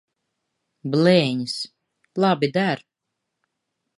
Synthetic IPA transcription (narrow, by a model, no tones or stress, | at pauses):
blɛːɲis | lˠabid̪æɾ